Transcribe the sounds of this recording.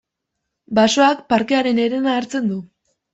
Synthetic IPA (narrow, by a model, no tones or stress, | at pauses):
baso̞akpaɾke̞aɾe̞ne̞ɾe̞naːɾt͡se̞nd̪u